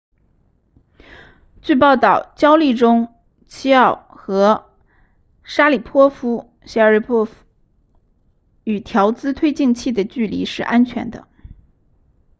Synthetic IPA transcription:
t͡ɕy˥˧pɑ˥˧ʊt̪ɑ˥˩ʊt͡ɕjɑ˥ʊli˥˩ʈ͡ʂʊ˥ŋ | t͡ɕʰi˥ɑ˥˩ʊxɤ˧˥ | ʂa˥li˨˩pʰwɔ˥fu˥ | ɕɻpʰɔ˥fu˥ | y˨˩t̪ʰjɑ˧˥ʊt͡sɹ̩˥t̪ʰwe˥ɪt͡ɕi˥˧ŋt͡ɕʰi˥˩d̪ə˩t͡ɕy˥˩lḭ˧˥ʂɻ̩˥˩ʔa˥nt͡ɕʰɥɛ̰˧˥nd̪ə̰˧

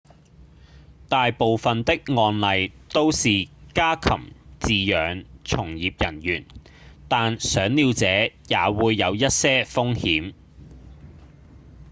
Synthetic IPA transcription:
t̪aː˨jpo˨wfɐ˨nt̪ɪ˥k̚ŋɔː˧nlɐ˨˧jt̪o˥wsiː˨kaː˥kʰɐ̰˨˩mt͡siː˨jœː˨˧ŋt͡sʰʊ˨˩ŋjiː˨p̚jɐ˨˩njyː˨˩n | t̪aː˨nsœː˨˥ŋliː˨˧wt͡sɛː˨˥jaː˨˧wuː˨˧jːɐ˨˧wjɐ˥t̚sɛː˥fʊ˥ŋhiː˨˥m

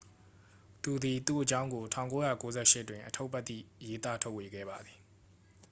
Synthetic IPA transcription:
t̪u˨d̪i˨t̪u˦˨ʔət͡ɕã˦ʊ̃ŋɡo˨tʰã˨ʊ̃ŋko˦ja˨ko˦zɛ˦˨ʃɪ˦twɪ̃˨ʔətʰo˦ʊpːɛ˦t̪ːḭ˦˨je˦t̪a˦tʰo˦ʊʔwe˨ɡɛ̰˦˨ba˨d̪ði˨

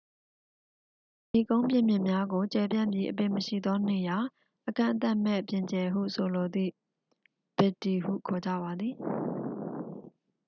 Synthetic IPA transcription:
ji˨kõ˦ʊ̃mpjɪ̃˦˨mjɪ̃˨mja˦ɡo˨t͡ɕɛ˨pjã̰˦˨mbji˦ʔəp̬ɪ̰̃˦˨məʃḭ˦˨d̪ɔ˦ne˨ja˨ | ʔəkã̰˦˨nt̪a˦ʔm̥ɛ̰˦˨pjɪ̃˨ɲt͡ɕɛ˨ɦṵ˦˨sʰo˨lo˨d̪ḭ˦˨ | b̥ɪ˨tːi˨hṵ˦˨kʰɔ˨d͡ʑä̰˦˨ba˨d̪ði˨

